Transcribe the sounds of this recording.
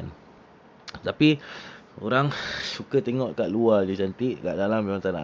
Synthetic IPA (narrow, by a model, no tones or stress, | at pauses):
n | t̪api | oɾaŋsukət̪eŋɔʔkaʔluad͡ʒusant̪iʔɡa̰ʔdalaŋbamaŋt̪ana̰